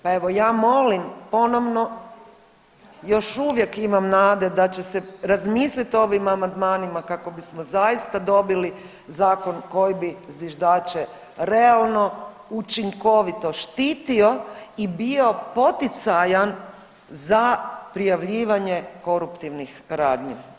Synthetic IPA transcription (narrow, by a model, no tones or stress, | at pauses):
pae̞ʋojaːmo̞limpo̞no̞ʋno̞ | jo̞ʃuʋje̞kimamnaːd̪e̞d̪at͡ɕe̞seɾazmiːslit̪o̞ʋimamand̪maːnimakako̞bismozajist̪ad̪o̞bili | zaːko̞nko̞jibizʋiʒd̪aːt͡ʃe | ɾealˠno̞ | ut͡ʃiŋko̞ʋit̪o̞ʃt̪iːt̪io̞ibio̞po̞t̪it̪sajan | zapɾijaʋʎiːʋaɲe̞ko̞ɾupt̪iʋnixɾaːd̪ɲi